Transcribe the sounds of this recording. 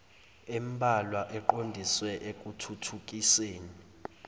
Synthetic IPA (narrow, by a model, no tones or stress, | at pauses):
embʱalwaʔɛǃondʱiswɛʔek̬ʼutʰutʰuk̬ʼiseːni